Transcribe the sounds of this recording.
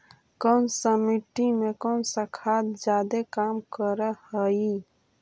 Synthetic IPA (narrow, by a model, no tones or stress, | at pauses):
kɔːnsəmiʈimekənsəkʰat̪d͡ʒjad̪ekamkəɾəhəi